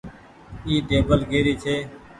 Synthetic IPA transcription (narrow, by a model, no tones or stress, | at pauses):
iːɖeːbəlɡeːɾiːt͡ʃʰeː